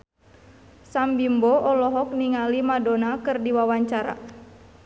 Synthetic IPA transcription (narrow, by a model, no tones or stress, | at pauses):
sambimboɔlɔɦɔk̚niŋalimadonakɨrdiwawaɲt͡ʃaɾa̰